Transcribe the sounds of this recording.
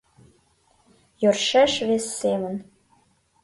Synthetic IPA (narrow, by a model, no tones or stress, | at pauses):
jørʃeʃvesːemə̆n